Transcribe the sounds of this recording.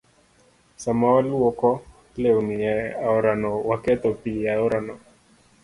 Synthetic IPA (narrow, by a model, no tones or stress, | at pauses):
samawalwɔkɔ | lewniɛaɔɾanɔwakɛt̪ɔpiaɔɾanɔ